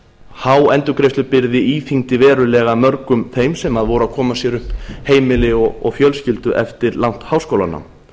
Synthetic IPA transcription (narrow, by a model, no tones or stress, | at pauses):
hawɛnt̪ʏkɾejst̪ʏpɪɾðɪiːθiŋt̪ɪvɛːɾʏlɛɣamœɾkʏmθejmsɛmaðvowɾʏakʰɔːmasjɛɾʏhpheːjmɪlɪɔɔɣfjœlscɪlt̪ʏʔɛ̰ft̪ɪɾlawn̥t̪hawskowla̰nːa̰m